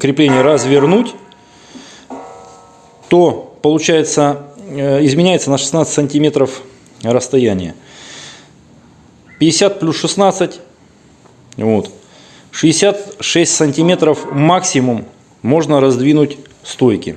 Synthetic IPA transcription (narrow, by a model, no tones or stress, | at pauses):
kɾʲɪplʲenʲɪjəɾəzvʲɪrnutʲ | t̪o̞pəlˠʊt͡ɕæjɪt̪sə | ɪzmʲɪnʲæjɪt̪sənəʂɨ̥snat̪sɨtʲsənʲtʲɪmʲe̞t̪ɾəf | rəst̪ɐjænʲɪjə | pʲɪdʲɪsʲat̪̚plʲusʂɨsnat̪sɨtʲ | vo̞t̪ | ʂɨɪsʲat̪ʂɛsʲtʲsənʲtʲɪmʲe̞t̪ɾəfmaksʲɪmʊmː | o̞ʐnəɾɐzd̪vʲinʊtʲ | st̪o̞jkʲɪ̰